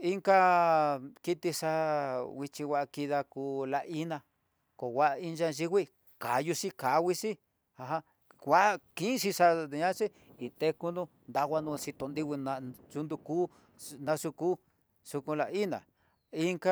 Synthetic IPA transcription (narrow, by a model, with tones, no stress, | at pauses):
i˦ŋka˦ | ki˦t̪i˧ʂa˧wi˧t͡ʃi˧wʷa˧ʔki˧ða˧kuː˧la˧ʔʔi˦nã˧ | ko˨wʷa˦ʔi˧nd͡ʒa˧ʒi˦wʷi˦ | ka˨˦ju˧si˦ka˨˦˧wi˦si˦ | ha˧ɦã˦ | wʷa˦ʔkĩ˦ʂi˧ʂa˧d̪e˧ɲã˦si˦ | i˨t̪e˧ku˧nũ˦ | nd̪a˧ɣʷa˧nũ˧si˧t̪o˧nd̪i˦˧wʷi˧nã˧t͡ʃu˧nd̪u˧kuː˦˧ | nã˧su˧kuː˦ | su˧kũ˧la˧i˦nã̰˨ | i˦ŋka˦